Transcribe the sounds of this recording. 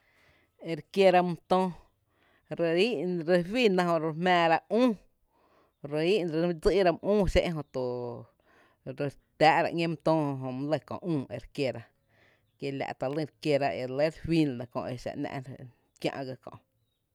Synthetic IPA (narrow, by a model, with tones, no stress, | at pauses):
e˧ɾkje˧ɾa˧mũ˧t̪õː˦ | ɾe˧i˦ʔɾe˧wi˦˨nã˧hõ˧˨ɾe˧hmɛ̃ː˧ɾa˧ũː˦ | ɾe˧i˦ʔnɾe˧d͡zi˦ʔɾa˧m˧ʔũː˦ʃḛ˦ʔɦõ˧t̪u˨ | ɾe˧ | t̪ʲaː˦ʔɾa̰˧ʔŋʲẽ˦m˧t̪õː˦hɦõ˧mũ˦le˧˨kõ̰˨ʔũː˦˨ḛ˧ɾkje˧ɾa˧ | kje˧lʲa̰˨ʔt̪a˨li˧ɾkje˧ɾa˧e˨˧le˦ɾhwi˦n˨nã˨kõ̰˧ʔe˧ʃa̰˨ʔnã̰˧ʔ | kjã̰˧ʔɡa˧kɔ̰̃˨ʔ